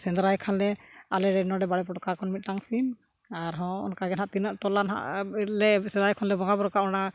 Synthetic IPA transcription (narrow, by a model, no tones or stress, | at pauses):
sɛnd̪ɾajkʰanlɛalɛɾɛnɔɖɛbaɽɛpɔʈɔkaɾkʰɔnmit̪̚ˀʈaŋsin | aɾɦɔ̃ɔ̰nkaɡɛnɦaʔt̪inaʔʈɔlanɦa̰ʔlɛsɛd̪ajkʰɔnlɛbɔŋɡabɔɾɔkaʔɔna